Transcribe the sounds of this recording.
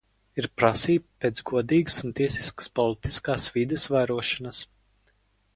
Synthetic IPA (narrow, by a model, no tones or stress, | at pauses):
iɾpɾasiːbpeːt̪zɡuɔd̪iːɡsunt̪iɛsi̥skə̥spɔlit̪i̥skaːsvid̪ɛsvajɾuɔʃanas